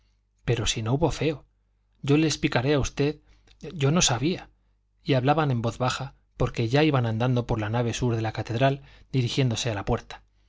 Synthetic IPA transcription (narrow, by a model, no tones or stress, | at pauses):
pe̞ɾo̞sino̞uβo̞fe̞o̞ | ɟ͡ʝo̞le̞ːsplikaɾe̞aust̪e̞ð | ɟ͡ʝono̞saβia | iaβlaβane̞mbo̞ðβaxa | po̞ɾke̞ʝaiβanãnd̪and̪o̞po̞ɾlanaβ̞e̞suɾðe̞lakat̪e̞ðɾal | d̪iɾixje̞nd̪o̞se̞alapwe̞ɾt̪ḁ